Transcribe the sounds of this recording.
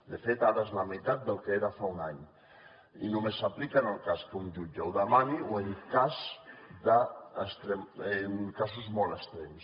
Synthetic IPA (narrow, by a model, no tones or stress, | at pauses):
d̪efet̪aɾaznamit̪at̪̚d̪elkeeɾafauŋaɲ | ḭnomesaplikanalkaskund͡ʒud͡ʒawðamanioeŋkazd̪aest̪ɾemeŋkasuzmɔlest̪ɾems